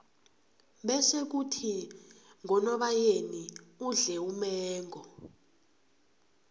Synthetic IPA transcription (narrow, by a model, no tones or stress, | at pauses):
ɓɛsek̬utʰi | ŋɔnɔɓajeniuɮɛumɛːŋɡʱɔ